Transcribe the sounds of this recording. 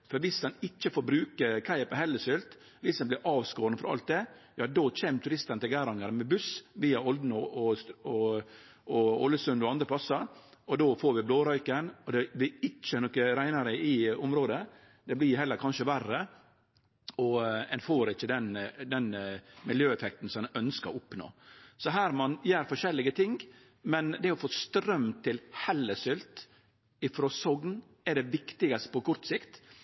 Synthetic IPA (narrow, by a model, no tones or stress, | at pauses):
fɔɾʋɪsd̪ɛnɪt͡ʃːəfoːɾbɾʉːkəɾkʰæɪpəɦɛlːəsʏlt̪ | ʋɪsd̪ɛnblɪɾʔɑːʋskoːɾənfɔɾɑ̰lt̪̚d̪ɛjɑːd̪oːt͡ʃʰeːmt̪ʰʉɾɪst̪ənət̪ʰɪlɡæːɾɑŋəɾmɛbʉsʋiːɑɔld̪n̩ɔʔɔɔ | ɔɔlːəsʉnd̪ɔɑnd̪ɾəpʰlɑsəɾɔd̪oːfoːɾʋɪbloːɾœʏkənɔd̪ɛblɪɪt͡ʃːənɔkəɾæɪnɑɾəɪʊmɾoːd̪ə | d̪ɛblɪhɦɛlːəɾkʰɑnʃəʋærːə | ɔɛnfoːɾɪçːəd̪ɛnd̪ɛnmɪljøːɛfɛk̚t̪n̩sɔmɛnœnskəɾɔʊpno̰ːsɔɦæːɾmɑnjæːɾfɔʂɛlːɪɡət̪ʰɪŋ | mɛnd̪ɛɔfɔst̪ɾœmt̪ʰɪlhɛlːəsʏlt̪ | ɪfɾoːsɔɡn | ɛd̪ɛʋɪkt̪ɪɡɑst̪ə̥pʰɔkʰʊɾt̪sɪkt̪